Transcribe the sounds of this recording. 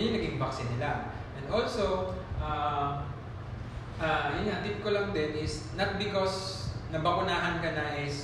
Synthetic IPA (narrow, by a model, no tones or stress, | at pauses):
nʊŋnɐɡɪŋbaksɪnɪla | ʔɛ̃nd̪ʔolsoʔa | ʔaʔɐjʊnɲaʔɐt̪ɪp̚kolɐŋd̪ɛnɪs | nɐt̪̚bɪkosnɐbɐkʊnaːɦɐnkɐnɐʔɪs